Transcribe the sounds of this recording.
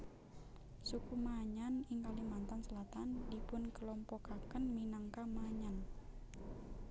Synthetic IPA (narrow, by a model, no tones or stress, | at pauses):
sukumaɲanɪŋkalimant̪ansəlat̪andipʊnkəlɔmpɔkakənminaŋkamaɲan